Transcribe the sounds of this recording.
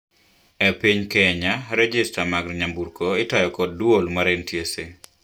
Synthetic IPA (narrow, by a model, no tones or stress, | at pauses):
epiɲkɛɲaɾɛd͡ʒistamaɡɾɲambuɾkoɪtajɔkɔd̚duolmaɾentjese